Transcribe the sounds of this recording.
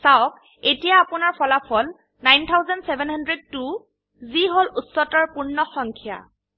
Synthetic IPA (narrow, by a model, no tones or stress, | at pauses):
sawk | etijaːpʊnaɹpʰɔlapʰɔl | najnt̪ʰawzansebʱɛnhandɹed̚tu | ziɦolutsɔtɔɹpunːɔxɔŋkʰija̰